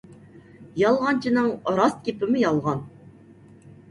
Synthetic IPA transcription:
jɑlˠʁɑnt͡ʃʰinɨŋɾɑst̪̚kʲepɪmɪjɑlˠʁɑn

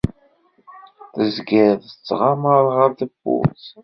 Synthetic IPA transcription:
θəzɡəðət͡sːʁaməɾˤʁəɾðəbʊ̰

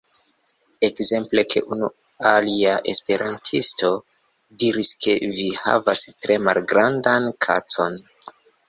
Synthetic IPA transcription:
e̞kze̞mple̞kʰe̞̰ʔunu | aliaʔe̞spe̞ɾʔantʰisto̞ | diɾiske̞viha̰vastɾe̞ma̰lɡɾandankʰa̰t͡so̞n

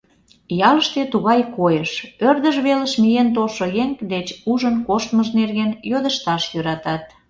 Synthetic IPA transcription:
jɑləʃt̪et̪uɣɑjkojəʃørd̪əʒβeləʃmijent̪olʃojeŋkd̪et͡ɕuʒənkoʃt̪məʒnerɣenjod̪əʃt̪ɑʃjøɾɑt̪ɑt̪̚

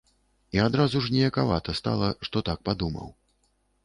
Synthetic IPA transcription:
iad̪ɾazuʐnʲɛjɐkava̰t̪ɐst̪a̰lˠɐʂt̪ɔt̪ak̚pad̪umɐ̰w

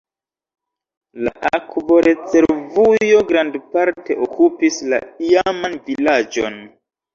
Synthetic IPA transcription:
la̰ʔakbo̞ɾʔe̞t͡se̞ɾvujo̞ɡɾandpaɾte̞ʔokʰupisla̰iamanvilad͡ʒo̞̰n

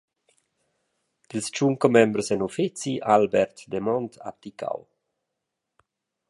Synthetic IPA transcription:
d̪̥ilst͡ʃuŋkomɛmbɾsɛnofit͡siʔalbɛɾt̪d̪emɔnt̪ʰa̰p̚t̪ika̰w

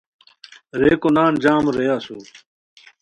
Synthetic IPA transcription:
ɾeːkonaːnd͡ʑaːmɾejaːsuː

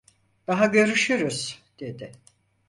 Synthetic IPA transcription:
d̪̥aɦaɟø̞ɾyʃyɾyz̥d̪̥e̞d̪ɪ

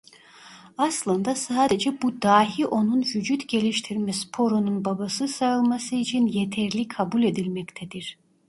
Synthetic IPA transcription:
aslˠɯnd̪asaːd̪ed͡ʒɛbud̪aːɦiʔo̞nunvyd͡ʒyt̪ɟe̞lʲiʃt̪ʰiɾmɛspʰo̞ɾonunbabasɯsaɯlˠmasɯit͡ʃʰinjet̪ʰɛɾlʲikʰabulʲe̞d̪ilʲmɛct̪ʰɛd̪̥iɾ̥

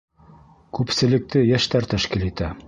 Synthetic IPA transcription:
kʉpsɘ̆lɘ̆k̚t̪ɘjæʃt̪æɾt̪æʃkilit̪æ

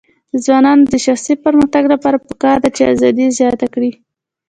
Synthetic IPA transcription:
d̪əzwɑnɑnod̪əʃaxsipəɾməxt̪aɡlapɑɾapəkɑɾd̪at͡ʃea̰zɑd̪izjɑt̪akɽi

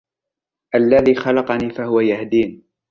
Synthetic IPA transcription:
ʔalːaðiːxɑlɑqɑniːfahʊwajahd̪iːn

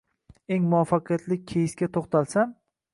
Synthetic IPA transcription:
e̞ŋmʊafɑqʰjat̪lɪk̚ʲkʲʰejɪskʲat̪ʰoχt̪ʰalsam

